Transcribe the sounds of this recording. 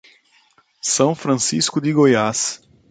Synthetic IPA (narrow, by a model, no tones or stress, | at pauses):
sɐ̃w̃fɾɐ̃siskʊd̪iɡojas